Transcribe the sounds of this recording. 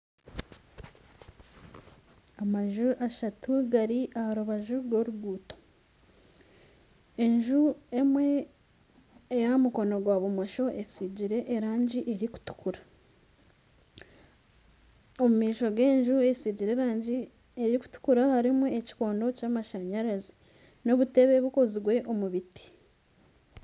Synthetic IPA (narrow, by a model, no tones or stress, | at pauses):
amaʒuʔaʃatuɡaɾiʔahaɾuβaʒuɡo̞ɾuɡuːto̥ | e̞ɲʒuemwe̞ | jamuko̞no̞ɡwaβumoʃo̞ʔe̞siɟiɾe̞ʔːɾaːɲɟiʔeɾiku̥tu̥kuɾa | omumiːʃo̞ɡe̞ːɲʒue̞siɟiɾe̞ːɾaːɲɟi | eɾiku̥tu̥kuɾahaɾimueci̥ko̞ːndo̞caːmaʃaɲaɾazi | no̞βute̞βe̞βuko̞ziɡwe̞ʔo̞muβiti̥